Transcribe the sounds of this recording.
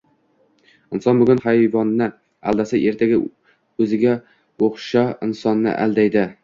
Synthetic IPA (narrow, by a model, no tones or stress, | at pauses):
ɪnsɒnbʊɡʲʊnhajvɒnːɪ | æ̰ld̪asaʔe̞ɾt̪ʰaɡʲa | ɵzɪɡʲa | oχʃaɪnsɒnːɪ̰ʔæ̰ld̪ajd̪ɪ